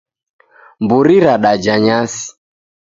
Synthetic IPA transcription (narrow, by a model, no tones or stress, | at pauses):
mbuɾiɾaɗad͡ʒaɲasi̥